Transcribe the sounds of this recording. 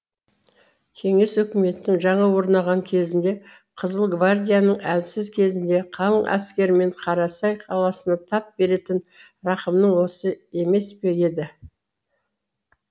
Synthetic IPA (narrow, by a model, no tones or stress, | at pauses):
kʲʰe̞ŋe̞swɵkʲɪme̞t̪ːɪŋʒɑɴɑwo̞ɾnɑʁɑŋkʲʰe̞zɪnd̪e̞ | qʰəzəlˠɡvard̪ʲijanəɴælsɪzkʲʰe̞zɪnd̪e̞qʰɑlˠəɴʔæ̰skʲe̞ɾɪme̞ɴqʰɑɾɑsɑjqʰɑlˠɑsənɑt̪ʰɑp̚be̞ɾe̞t̪ɪn | ɾɑqəmnəɴwo̞səe̞me̞spe̞e̞d̪ɪ